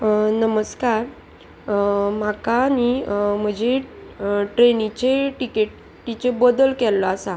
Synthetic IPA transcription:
nəməskaɾ | m̤akanim̤əd͡ʑe | ʈɾenit͡ɕeʈikeʈ | t̪it͡sebɔd̪əlkɛlːɔasa

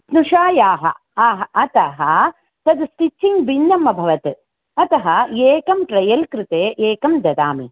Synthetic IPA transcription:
snuʂaːjaːɦɐ̰ | aːɦɐʔɐt̪ɐɦɐ | t̪ɐd̪sk̪it͡ʃʰːiŋɡbinːɐmːɐbʱɐʋɐt̪ | ɐt̪ɐɦɐeːkɐmʈɾɐjɐlkɾɪt̪eːʔeːkɐmd̪ɐd̪aːmḭ

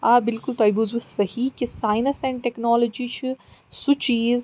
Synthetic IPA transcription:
aːbɪlkʊlt̪ɔːjbuzusɐhikisaːjnɐsɛ̃ɳɖʈeknɔːlod͡ʒit͡ʃʰusut͡ʃiːz

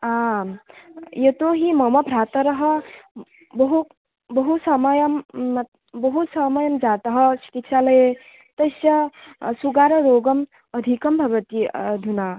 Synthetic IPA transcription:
a | jet̪oɦimɐmɐbʱɾaːt̪ɐɾɐɦə | bɐɦu | bɐɦusɐmɐjɐm | bɐɦut̪sɐmɐjɐmd͡ʒat̪ɐɦɐt͡ʃʰi̥kit̪ʃʰalɐe | t̪ɐsɐsuɡaːɾɐɾoːɡɐm | ɐd̪ʱikɐmbʱɐʋɐt̪id̪ʱuna

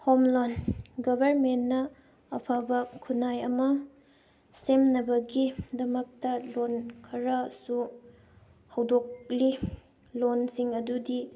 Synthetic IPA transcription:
homlonɡɐbʱɐɾmenːɐ | ɐpʰabɐkʰunajɐmɐ | semnɐbɐɡidɐmɐk̚tɐlonkʰɐɾɐsu | hɐwdok̚li | lonsiŋɐdudi

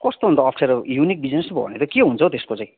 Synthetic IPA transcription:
kʌst̪oɦund̪ʌːpʰseɾjunik̚bid͡znesb̰ʱbʱʌ̰net̪ʌkeɦunt͡sʰʌt̪eskot͡sãĩ

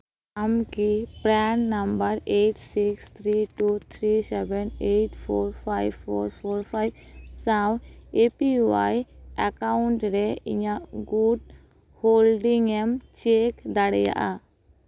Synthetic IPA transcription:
amkipɾɛnnambəɾeʈsikst̪ʰɾiʈut̪ʰɾisɛbɛneʈpʰoɾpʰajboɾpʰoɾpʰajbsãwepiwajakaɳʈɾɛiɲaʔɡuɖ | holɖiŋɛmt͡ʃekd̪aɽɛ̰ja̰ʔa

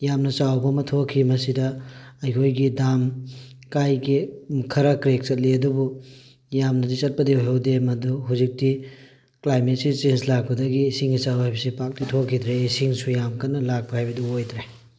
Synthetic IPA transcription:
jamnɐsawbɐmɐtʰokʰːimɐsidɐɐjkʰojɡidam | kajɡikʰɐɾɐkɾek̚t͡ʃɐt̚liɐdubu | jamnɐdisɐt̚pɐdioɦewdemɐduɦuzik̚ti | klajmet̚sit͡ʃenslak̚pɐdɐɡiːsiŋɡisawɦajbɐsipak̚titʰokʰːid̪ɾeːsiŋsujamkɐnːɐlak̚pɐhajbɐduojdɾe

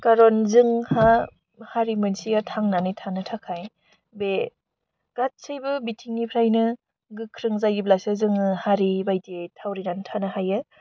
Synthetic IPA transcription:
kaɾɔnzɯŋha | haɾimɯnsiatʰaŋnanitʰanɯtʰakʰaj | be | ɡ̥at̚sɯjbɯbitʰiŋːipʰɾajnɯ | ɡɯkʰɾɯŋzajɡiblasɯzɯŋɯhaɾibajtietʰawɾinanɯtʰanɯhajɯ

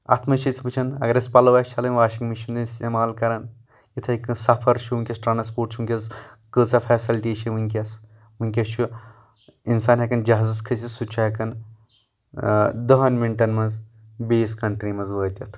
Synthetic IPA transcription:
a̰t̪ʰmɐʃit͡sbɨt͡ʃʰɐnɐ̰ɡɐɾʲɐspɐlɐʋɐt͡ʃʰalɐmʲʋaːʃiŋɡmiʃund̪ɐnst̪emaːlkɐɾɐn | jit̪ʰɐikɨsɐpʰɐɾʃʰuʋuŋkʲɐsʈɾaːnɐspuːʈt͡ʃʰuuŋkʲɐz | kɨːt͡sɐfʰɛːsilʈit͡ʃʰiʋɨŋkʲɐs | ʋɨŋkʲɐt͡ʃʰu | insaːnɦɐkɐnd͡ʒɐɦazɐskʰɐsʲisut͡ʃʰɐɦɐkɐn | d̪ɐɦɐnmiɳʈɐnmɐzbeːskɐɳʈɾimɐzʋəːt̪ʲɐt̪ʰ

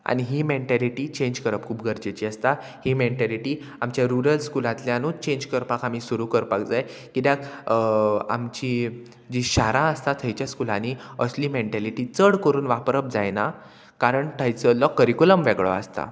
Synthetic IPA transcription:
a̰ɽ̃iɦiːmeɳʈæliʈiːt͡ɕẽɲd͡ʑkəɾəp̚kʰuːpɡʱəɾd͡ʑet͡ɕiːəst̪a | himeɳʈaliʈiː | amt͡ɕjaɾuɾəlskulãt̪ljanũt͡ɕẽɲd͡ʑkəɾpakam̤iːsuɾukəɾpakd͡zaj | kit̪ak | a̰mt͡ɕi | d͡ʑiɕaɾãəst̪at̪ʰəjt͡ɕjaskulaniəsliːmeɳʈæliʈiːt͡səɽkəɾuːnʋapɾəp̚d͡zajna | kaɾəɳʈʰajt͡səlɔkːəɾikuləmʋeɡɭɔ̰a̰st̪a̰

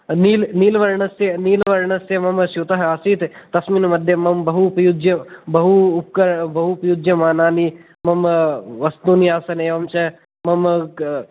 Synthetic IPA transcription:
niːlniːlʋɐɾɳɐseniːlʋɐɾɳɐsemɐmʃjut̪ɐɦaːsiːt̪t̪ɐsmiːnmɐd̪ʱjɐmɐmbɐɦupjud͡ʒjɐbɐɦuːp̚kɐɾbɐɦupjud͡ʒjɐmaːnaːni | mɐmʋɐst̪uːniaːsɐneːʋɐmt͡ʃɐ | mɐm

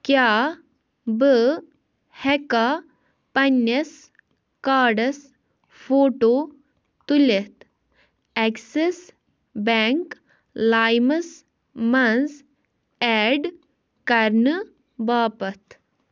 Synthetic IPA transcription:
kjaː | bə | hɛka | pɐnːɐs | kaːɖɐs | fʰoːʈoː | t̪ulet̪ | ɛkses | bɛŋk | laːjmɐs | mɐns | ɛːɖ | kɐɾnɨ | baːpɐt̪

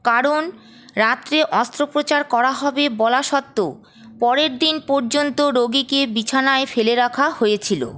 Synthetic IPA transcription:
kaɾon | ɾat̪ːɾeʔɔst̪ɾopɾot͡ɕaɾkɔɾaɦɔbebɔlaʃɔt̪ːo | pɔɾeɾd̪inpɔɾd͡ʑont̪oɾoɡikebit͡ɕʰanaefeleɾakʰahojet͡ɕʰilo̰

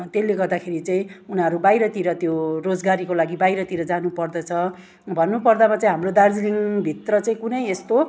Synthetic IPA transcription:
t̪elːeɡʌrd̪akʰeɾit͡saĩunʌɾubajɾʌt̪iɾʌt̪jorod͡zɡaɾikolaɡibajɾʌt̪iɾʌd͡zanupʌrd̪ʌt͡sʰʌ | bʱʌnːupʌrd̪amat͡saĩɦamrod̪ard͡zliŋbʱit̪rʌt͡saĩkunʌjest̪o

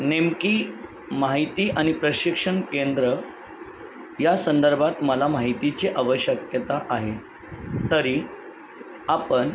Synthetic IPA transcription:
nemkiː | maɦit̪iːʔaɽ̃ipɾəɕikʂəɳkend̪ɾə | jasənd̪əɾbʱat̪məlamaɦit̪it͡ɕiʔəʋəɕjəkjət̪aʔaɦe | t̪əɾi | apəɳ

